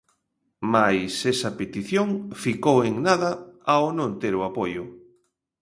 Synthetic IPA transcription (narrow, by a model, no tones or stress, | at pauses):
majsesɐpet̪iθjoŋfikoweŋnaðɐawnõnt̪eɾoapojʊ